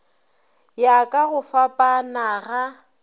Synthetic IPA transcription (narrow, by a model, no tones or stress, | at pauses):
jakʼaɣʊfapʼanaɣa